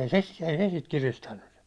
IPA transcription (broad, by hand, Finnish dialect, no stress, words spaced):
ei se ei se sit kiristænːy